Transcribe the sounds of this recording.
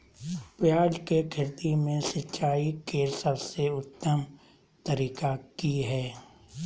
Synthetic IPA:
pɪjaːd͡ʒkekʰɪɾt̪imẽsɪtːt͡ʃaːikeːɾsəbseʊt̪ːəm | t̪əɾiːkakiɦɛː

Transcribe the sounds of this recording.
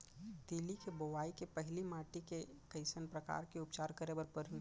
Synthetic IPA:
d̪ɪlikeboʋaːikepəɦɪlimaːʈike | kɐɪsənpɾɐka̰ːɾkeʊpt͡ʃaːɾkəɾebəɾpəɾ

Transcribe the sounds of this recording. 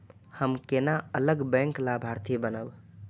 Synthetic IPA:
həmkenaələɡbɛ̃ŋklabʱaɾt̪ʰibənəb

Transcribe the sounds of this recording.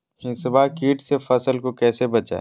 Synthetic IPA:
hɪ̃nsbakiːʈsefɐsəlkokɛːsebɐt͡ʃa̰e

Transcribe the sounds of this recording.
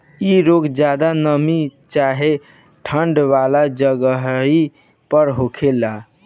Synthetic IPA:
iɾoɡd͡ʒjad̪anəmit͡ʃaɦe | ʈʰəɳɖʋalad͡ʒəɡəɦi | pəɾɦokʰela

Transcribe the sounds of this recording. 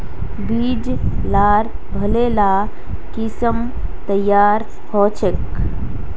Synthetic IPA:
biːd͡ʒ | laːɾ | bʱəlela | kisəm | t̪əjːaːɾ | hɔt͡ʃʰek

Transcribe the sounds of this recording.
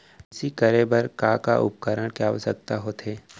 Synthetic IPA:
ɪsikəɾebɐɾkaka̰ʔʊ̰p̚kəɾəɽ̃keaːʋəsə̰k̚t̪aɦoːt̪ɦeː

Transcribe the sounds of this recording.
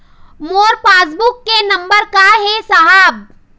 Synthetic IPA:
moːɾpaːs̬bʊkːenɐ̃mbəɾkaɦesɐɦaːb̚

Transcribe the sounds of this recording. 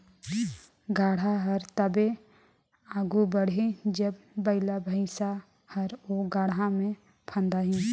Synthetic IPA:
ɡaːɽ̤aɦəɾt̪əbe | aːɡubəɽ̤ed͡ʒəbːəɪlabʱəɪʃa | həɾoːɡaːɽɦãmẽ | pʰə̃nd̪aɦĩ

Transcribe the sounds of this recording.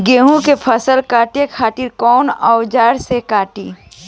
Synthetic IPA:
ɡeːɦũkepʰəsəlkaːʈekʰaːt̪iɾkɔːnɔʊd͡ʒaːɾsekaːʈiː

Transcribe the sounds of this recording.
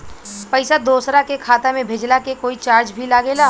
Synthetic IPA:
pəɪsad̪oːsɾakekʰaːt̪amẽbʱed͡ʒlakekoːit͡ʃaːɾt͡ʃbʱilaːɡeːlaː

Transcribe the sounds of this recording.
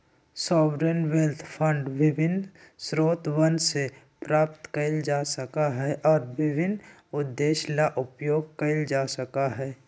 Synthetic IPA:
sɔːwɾənwelt̪ʰpʰə̃ɳɖʋɪbʱɪnsɾoːt̪wənse | pɾaːpt̪kəɪld͡ʒaːsəkaɦɛʔɔːɾʋɪbʱɪn | ʊd̪ːeːʃlaʔʊpjoːɡ̚kəɪld͡ʒaːsəkaɦɛː

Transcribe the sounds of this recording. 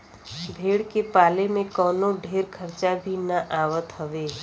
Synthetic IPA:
bʱeːɽkepaːlemẽkɔːnoɖʱeːɾkʰəɾt͡ʃabʱinəʔaːʋət̪ɦəʋeɦ

